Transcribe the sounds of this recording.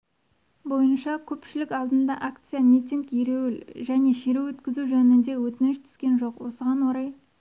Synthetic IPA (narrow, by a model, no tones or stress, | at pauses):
bo̞jənʃɑkʲʰɵpʃɪlɪkʲɑlˠd̪ənd̪ɑʔakt̪sɨjamʲijt̪iŋkjeɾewɪlʒæne̞ʃeɾewwɵt̪kʲɪzuʒɵnɪnd̪e̞wɵt̪ɪnɪʃt̪ʰʏ̥skʲe̞nʒo̞qwosəʁɑnwoɾɑj